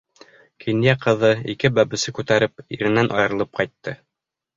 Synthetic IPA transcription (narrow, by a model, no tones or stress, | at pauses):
kʰinjæqɤ̆ðɤikɘbæβɘ̆sɘkʉt̪æɾɘpḭɾɘ̆nænʔɑ̰jɤ̆ɾɤ̆lˠɤp̚qɑjt̪ːɤ